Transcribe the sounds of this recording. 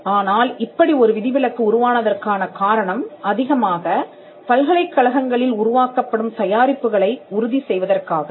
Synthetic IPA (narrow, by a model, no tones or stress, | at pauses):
aːnaːlɪpːɐɽiɔɾɯʋɪðɪʋɪlɐkːɯʊɾʊʋaːnɐðɐrkaːnɐkaːɾɐɳɐmɐðɪɣɐmaːɣɐ | pɐlɣɐɭɐɪkːɐɭɐɣɐŋɡɐɭɪlʊɾʊʋaːkɐpːɐɽɯmt̪ɐjaːɾɪpːɯɣɐɭɐɪʊɾʊðisɛjʋɐðɐrkaːɣɐ